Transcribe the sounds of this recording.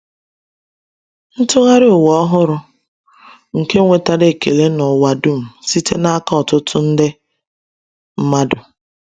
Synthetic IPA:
n̩˦tʊ˦ɣa˦ɾɪ˦ʊ˨wɔ˦ɔ˦ɦʊ˦ɾʊ˦ | ŋ̩˨ke˦ŋʷe˨ta˦ɾe˨ke˨le˦nɔ˨wa˨dʊ˦˨m̩˨si˦te˦na˦ka˦ɔ˨tʊ˦tʊ˦n̩˦dɪ˦ | m̩˦ma˦dʊ˨

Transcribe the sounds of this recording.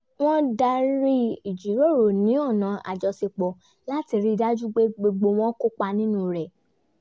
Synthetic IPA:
w̃ɔ̃˦da˧ɾi˦i˨d͡ʒi˨˦ɾo˦˨ɾo˨nĩ˨˦ɔ˦˨nã˨a̰˨d͡ʒɔ˧se˧k͡pɔ˧ | la˦ti˧ɾi˦da˦d͡ʒu˦ɡ͡be˦ɡ͡bo˧ɡ͡bo˧w̃ɔ̃˦ko˦k͡pa˧nĩ˦nũ˦ɾɛ˨

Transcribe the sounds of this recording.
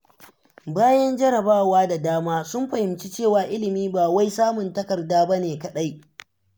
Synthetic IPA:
baː˦jɐ˦nd͡ʒɐ˦ɾɐ˨baː˦˨waː˦da˨daː˦maː˦sʊ˦mɸɐ˨hɪ˨mt͡ʃi˦t͡ʃeː˦˨waː˨ʔɪ˦lɪ˨miː˦baː˨wa˦jsaː˦mʊ˨ntɐ˦kɐ˨rdaː˦bɐ˦neː˨kɐ˨ɗa˦j

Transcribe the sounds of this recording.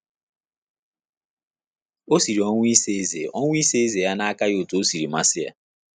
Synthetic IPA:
o˦si˨ɾi˨ɔ˦ŋʷ˦i˦se˦e˦zḛ˨ʔo˦ŋʷ˦i˦se˦e˦ze˨ja˦na˦a˦ka˦jo˦˨tu˨o˦si˨ɾi˨ma˦sɪ˦ja̰˨

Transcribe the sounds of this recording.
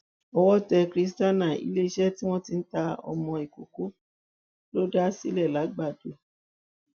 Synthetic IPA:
ɔ˧wɔ˦tɛ˧kɾi˨˦s̬ta˦nã˦˨ḭ˧˦le˦i˦ʃɛ˦ti˦w̃ɔ̃˦ti˧n̩˦ta˧ɔ̰˧mɔ̃˧i˨ko˨ko˨˦ | lo˦da˦si˦lɛ˦˨la˨˦ɡ͡ba˦˨do˨˦

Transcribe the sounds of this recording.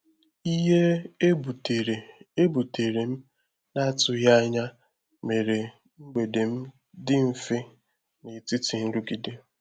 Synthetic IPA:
i˦ɦe˦e˦bu˨te˨ɾe˨e˦bu˨te˨ɾe˨m̩˦ | na˦a˦tʊ˨ja˦a˦ɲa˦ | me˨ɾe˨ | ŋ͡m̩˦ɡ͡be˨de˨m̩˦ | dɪ˦m̩˦fɪ˦ | nɪ˨ti˦ti˨n̩˦ɾu˦ɡi˨de˦

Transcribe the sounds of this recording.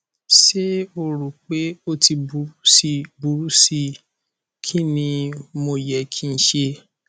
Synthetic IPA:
ʃe˦o˧ɾu˨k͡pe˦o˦ti˧bu˨˦ɾu˦si˧bu˨ɾu˦si˧ | kʰi˦nĩ˧mo˧jɛ˨kʰi˦n̩˨˦ʃe˧

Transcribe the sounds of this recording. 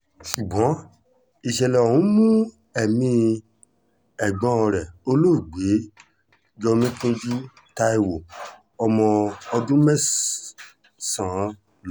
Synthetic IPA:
su˨ɡ͡bɔ̃˨˦ | i˨ʃɛ˨lɛ˨o˨ũ˨˦mũ˦ | ɛ˦˨mĩ˧ | ɛ˨ɡ͡bɔ̃˧˦ɔ˧ɾɛ˨o˧lo˦˨ɡ͡be˨˦ | d͡ʒɔ˧mĩ˦tũ˦d͡ʒi˦ | ta˧e˧wo˨ | ɔ˧mɔ̃˧ɔ˧dũ˦mɛ˦s | sã˨˦ | l

